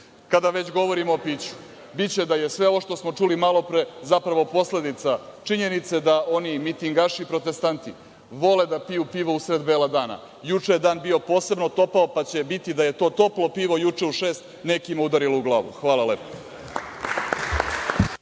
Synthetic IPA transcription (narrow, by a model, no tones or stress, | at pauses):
kad̪aʋe̞t͡ɕɡo̞ʋo̞ɾimoːpit͡ɕu̥ | bit͡ɕe̞d̪ajesʋe̞ooʃt̪o̞smo̞t͡ʂulimalo̞pɾezapɾaʋopo̞sle̞d̪it̪sat͡ʂiɲe̞nit̪se̞d̪aʔo̞nimit̪iŋɡaʃiːpɾo̞t̪e̞st̪ant̪i | ʋo̞led̪apijupiʋousɾed̪beːlˠad̪aːna̰ | jut͡ʂejed̪aːnbio̞po̞ːse̞bno̞t̪o̞paopat͡ɕe̞bit̪id̪aje̞t̪o̞ːt̪o̞plˠo̞piːʋo̞jut͡ʂe̞uʃe̞ːst̪ | ne̞kimaud̪aɾilouɡlˠaːʋṵxʋaːlˠale̞po̥